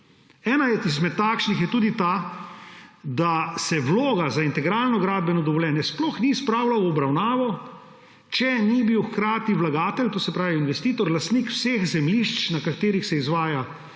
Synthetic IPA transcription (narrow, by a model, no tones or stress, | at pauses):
ɛːnaizmɛt̪ːaːkʃnixjɛt̪uːd̪it̪aː | d̪asɛʋloːɡazaint̪ɛɡɾaːlnɔɡɾaːd̪̚bɛnɔd̪ɔʋɔljɛːnjɛsplɔxnispɾaːwlawɔbɾawnaːʋɔ | t͡ʃɛnibiwxkɾaːt̪iʋlaɡaːt̪ɛlt̪oːsɛpɾaːʋiinʋɛst̪iːt̪ɔɾlast̪nikw̥seːxzɛmliʃt͡ʃnakat̪eːɾixsɛizʋaːja